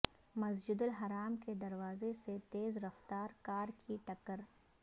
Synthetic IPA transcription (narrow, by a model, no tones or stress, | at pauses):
mɐsd͡ʒɪd̪ʊlɦɐɾaːmked̪ɐɾwaːzeset̪eːzɾɐft̪aːɾkaːɾkʰiʈɐkəɾ